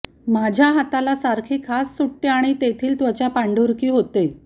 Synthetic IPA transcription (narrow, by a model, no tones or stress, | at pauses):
mad͡ʑʱjaɦat̪alasaɾkʰiːkʰasːuʈːeaɽ̃it̪et̪ʰiːlt̪ʋət͡ɕjapaɳɖuɾkiːɦot̪e